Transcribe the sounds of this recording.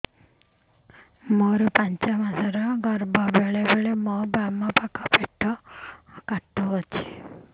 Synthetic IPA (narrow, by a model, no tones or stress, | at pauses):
moɾupaɲt͡ʃamasɔɾɔɡɔɾbɔbeɭebeɭemɔbamɔpakʰɔpeʈʰːɔ | kaʈːuɦɔt͡ʃʰi̥